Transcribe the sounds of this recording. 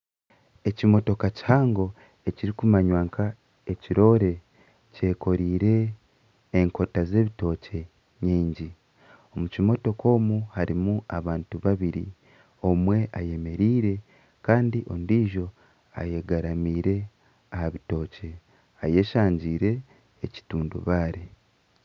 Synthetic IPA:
e̞cimo̞to̞kaci̥haːŋɡo̞ | e̞ciɾikumaɲwaːŋkʰa | e̞ciɾo̞ːɾe̞ | ce̞ːko̞ɾiːɾe̞ː | ŋko̞taze̞ːβito̞ːce̞ | ɲiːɲɟi | o̞mucimo̞to̞kʰo̞ːmuhaɾimuaβaːntuβaβiɾḭ | o̞mwe̞ʔaje̞me̞ɾiːɾe̞ | kaːndiʔo̞̰ndiːʒo̞ | a̰je̞ɡaɾamiːɾe̞ | ahaβito̞ːce̞ | aje̞ːʃaːɲɟiːɾe̞ː | ci̥tuːndṵβaːɾe

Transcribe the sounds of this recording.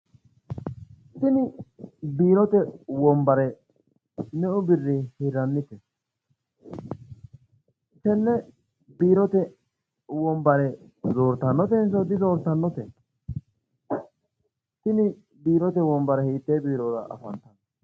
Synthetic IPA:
t̪ɪnɪbiːɾɔt̪ɛwɔmbɐɾɛ | nɛʔʊbɪrːɪhɪɾɐnːɪt̪ɛ | sɛnːɛ | biːɾɔt̪ɛ | wɔmbɐɾɛ | zo̞ːɾt̪ɐnːɔt̪̬ɛns̬ɔd̪ɪzoːɾt̪ɐnːɔt̪ɛn | t̪ɪnɪ | biːɾɔt̪̬ɛwɔmbɐɾɛhiːt̪ːeːbiːɾɔɾɐ̰ʔɐ̰fɐnt̪ɐn

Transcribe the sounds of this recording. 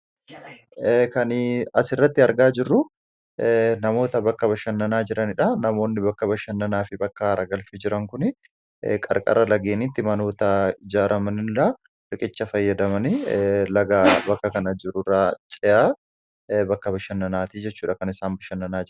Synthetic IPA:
kɐnɪɐsɪrːɐt̪ːɪɐɾɡaːd͡ʒɪrːʊ | nɐmo̞ːt̪ɐbɐkːɐbɐʃɐnːɐnaːd͡ʒɪɾɐnɪᶑɐnɐmo̞ːnːɪbɐkːɐbɐʃɐnːɐnaːfɪbɐkːɐɾɐɡɐlfɛd͡ʒɪɾɐŋkʊnɪ | kʼɐ̰ɾkʼɐ̰rːɐlɐɡeːnit̪ːɪmɐno̞ːt̪ɐɪd͡ʒaːɾʔɐmɐnɪlɐ | ɾɪkʼɪt͡ʃːɐfɐjːɐd̪ɐmɐnɪlɐɡaːbɐkːɐkɐnɐd͡ʒɪɾʊraːt͡ʃʼɛjaː | bɐkːɐbɐʃɐnːɐnaːt̪id͡ʒɛt͡ʃːuːᶑɐkɐnɪsaːmbɐʃɐnːɐnaːd͡ʒ

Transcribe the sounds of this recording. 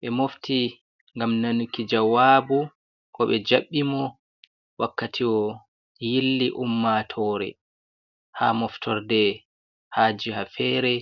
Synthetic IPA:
ɓɛmofti | ŋɡamnanukid͡ʒawaːbu | kɔɓɛd͡ʒaɓːimɔ | wʔakːatʰiɔ | jilːiʔumːatʰɔːɾɛ̰ | hamɔftʰɔɾdɛ | haːd͡ʒihafɛːɾɛ

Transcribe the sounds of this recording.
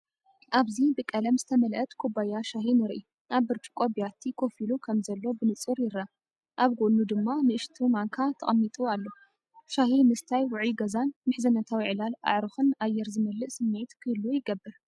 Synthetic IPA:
ʔaβzibɨkʼɐlɐmzɨt̪ʰɐmɐlʔɐt̪kʰobajaʃaɦinɨɾʔi | ʔaβːɨɾt̪ʰu̥kʷʼobijat̪ʰːikʰo̞filukʰɐmzɐlːo̞bɨnɨt͡sʼɨɾjɪɾa | ʔaβɡoʔnud̪ɨmːamɨʔɨʃt̪ʰumaŋkʰat̪ʰɐ̰χʼɐmːit̪ʼualːo | ʃahimɨst̪ʰajwʊʕiɡɐzanmɨħzɐnɐt̪ʰawiʕɨlala̰ʕɾɨxɨnajːɛɾzɨmɐlːɨʔsɨmːet̪kʰɨlːujɪɡɐbːɨɾ

